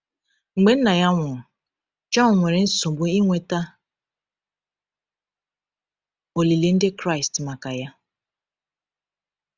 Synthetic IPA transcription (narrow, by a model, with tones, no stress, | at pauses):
ŋ͡m̩˨ɡ͡be˨n̩˦na˨ja˦ŋʷʊ˨ʊ˨ | d͡ʒɔ˦nʊ˨ŋʷe˨ɾe˨n̩˦so˨bʊ˦i˦ŋʷe˨ta˦ | o˨li˨le˨n̩˦dɪ˦kɾa˦ɪ˨stma˨ka˨ja˦